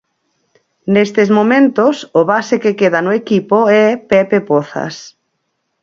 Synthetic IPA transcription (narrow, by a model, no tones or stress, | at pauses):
nest̪ezmomẽnt̪osʊβasekekeðanʊekipoɛpɛpepoθa̰s